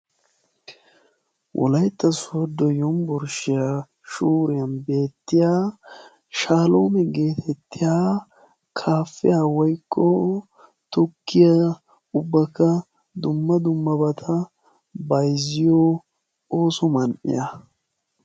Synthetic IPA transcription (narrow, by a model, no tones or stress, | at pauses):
wʔɔ̰lɐjt̪ːɐsɔd̪ɔjɔmbɔɾʃɪja | ʃuːɾɪjɐnbe̞ːt̪ːɪjaː | ʃaːloːmɛɡe̞ːt̪ʰɛt̪ːɪjaː | kʰaːfːɪjawɔjkːɔ | t̪ʊkːɪjɐ | ʊbːɐkːɐ | d̪ʊmːɐd̪ʊmːɐbɐt̪ʰɐ | bɐjzɪjoː | oːsɔmɐnʔɪ̰jɐ